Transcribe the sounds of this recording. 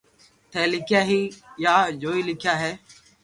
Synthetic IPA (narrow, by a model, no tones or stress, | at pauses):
t̪ʰɛːlɪkʰɪjaːɦiːjaːd͡ʒoːiːlɪkʰjaːɦeː